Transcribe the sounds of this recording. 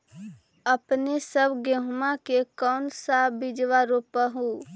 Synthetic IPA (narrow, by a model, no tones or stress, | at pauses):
əpnesəbɡeɦmakekɔnsabid͡ʒʋaɾopəɦu